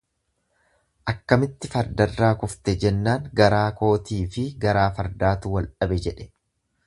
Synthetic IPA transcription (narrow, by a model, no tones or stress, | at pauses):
ʔɐkːɐmɪt̪ːɪfɐɾd̪ɐrːaːkʊft̪ɛd͡ʒɛnːaːŋɡɐɾaːko̞ːt̪iːfɪɡɐɾaːfɐɾd̪aːt̪uːwɐlᶑɐbɛd͡ʒɛᶑɛ̥